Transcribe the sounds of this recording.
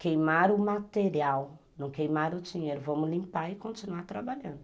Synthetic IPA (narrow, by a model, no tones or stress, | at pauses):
kejmaɾumat̪eɾiawnnɐ̃w̃kejmaɾud͡ʒiɲeɾʊvɐ̃mʊlĩmpaikõnt͡ʃinuat̪ɾabaʎɐ̃nd̪ʊ